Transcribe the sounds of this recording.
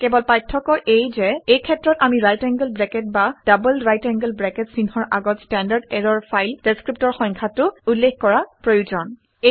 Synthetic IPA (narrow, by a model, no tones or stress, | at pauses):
kɛbɔlpajtʰːɔkɔʔejzɛejkʰɛtːɹɔtamiɹajtɛŋɡəlbɹɛkɛt̚bad̥abəlɹajtɛŋɡəlbɹɛkɛtsinhɔɹʔaɡɔtstɛndaɹdɛɹɔɹpʰajld̥eskɹip̚tɔɹxɔŋkʰatʊulːexkɔɹapɹojuzɔn | e